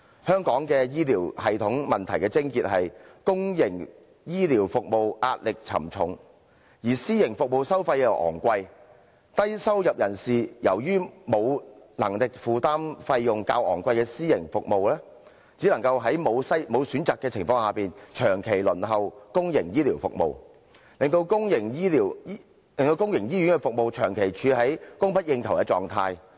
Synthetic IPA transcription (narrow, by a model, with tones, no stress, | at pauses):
hœː˥ŋkɔː˨˥ŋkɛː˧jiː˥liː˨˩whɐ˨jt̪ʰʊ˨˥ŋmɐ˨nt̪ʰɐ˨˩jkɛː˧t͡sɪ˥ŋkiː˧t̚hɐ˨jkʊ˥ŋjɪ˨˩ŋ | jiː˥liː˨˩wfʊ˨k̚mo˨wʔa̰ː˧t̚lɪ˨k̚t͡sʰɐ̰˨˩mt͡sʰʊ˨˥ŋ | jiː˨˩siː˥jɪ˨˩ŋfʊ˨k̚mo˨wsɐ˥wfɐ˧jjɐ˨˧wʔɔ̰ː˨˩ŋkʷɐ˧j | t̪ɐ˥jsɐ˥wjɐ˨p̚jɐ˨˩nsiː˨jɐ˨˩wjyː˥mo˨˧wnɐ˨˩ŋlɪ˨k̚fuː˨˩t̪aː˥mfɐ˧jːʊ˨ŋka̰ː˧wʔɔ̰ː˨˩ŋkʷɐ˧jkɛː˧siː˥jɪ˨˩ŋfʊ˨k̚mo˨wlɛː˥ | t͡siː˨˥lɐ˨˩ŋkɐ˧wɦɐ˨˥jmo˨˧wsɐ˥jmo˨˧wsyː˨˥nt͡saː˨˩kːɛː˧t͡sʰɪ˨˩ŋfɔː˧ŋhaː˧piː˨nt͡ʃʰœː˨˩ŋkʰe˨˩jlɵ˨˩nɦɐ˨wkʊ˥ŋjɪ˨˩ŋjiː˥liː˨˩wfʊ̰˨k̚mo̰˨w | lɪ˨ŋt̪o˧wkʊ˥ŋjɪ˨˩ŋjiː˥liː˨˩w | lɪ˨ŋt̪o˧wkʊ˥ŋjɪ˨˩ŋjiː˥jyː˨˥nkɛ˧fʊ˨k̚mo˨wt͡ʃʰœː˨˩ŋkʰe˨˩jt͡ʃʰyː˨˧ɦɐ˨˥jkʊ˥ŋpʰɐ˥t̚jɪ˧ŋt̪ʰwkɛː˧t͡sɔ̰ː˨ŋt̪ʰa̰ː˧j